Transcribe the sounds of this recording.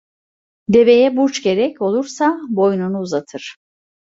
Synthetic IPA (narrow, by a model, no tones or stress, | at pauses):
d̪e̞ve̞jɛbuɾt͡ʃɟe̞ɾɛco̞lˠuɾsabo̞jnunuːzat̪ʰɯɾ̥